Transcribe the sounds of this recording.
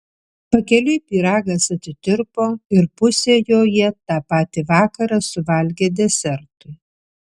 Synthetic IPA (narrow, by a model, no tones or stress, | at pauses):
pɐkʲɛlʲɪpʲiːɾɑːɡɐsɐt̪ʲɪt̪ʲɪɾpoːɪɾpʊsʲeːjoːjɛt̪ɑːpɑːt̪ʲiːʋɑːkɐɾɑsʊʋɐlʲɡʲeːd̪ʲɛsʲɛɾt̪ʊɪ